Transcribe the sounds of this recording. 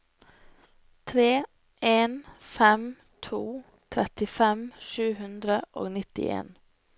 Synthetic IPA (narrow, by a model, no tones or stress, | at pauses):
t̪ʰɾeː | ʔeːnfɛm | t̪ʰuː | t̪ʰɾɛt̪ɪfɛmʃʉːhʉnd̪ɾəʔo̰ːɡnɪt̪ɪ̰ʔḛːn